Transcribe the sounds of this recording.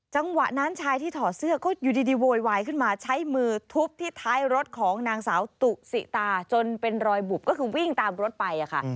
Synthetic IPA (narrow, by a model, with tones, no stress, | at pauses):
t͡ɕa˧ŋwa˨˩ʔna˦˥nt͡ɕʰaː˧jt̪ʰiː˥˩t̪ʰɔː˨˩sɯ˥˩ɐkɔː˥˩juː˨˩diː˧diː˧woː˧jwaː˧jkʰɯ˥˩nmaː˧t͡ɕʰa˦˥jmɯː˧t̪ʰu˦˥p̚t̪ʰiː˥˩t̪ʰaː˦˥jɾo˦˥t̪̚kʰɔː˩˦ŋnaː˧ŋsaː˩˦wt̪u˨˩ʔ̚sḭ˨˩t̪aː˧t͡ɕo˧npe˧nɾɔː˧jbu˨˩p̚kɔː˥˩kʰɯː˧wi˥˩ŋt̪aː˧mɾo˦˥t̪̚pa˧jʔa˨˩kʰa̰˦˥˩ʔ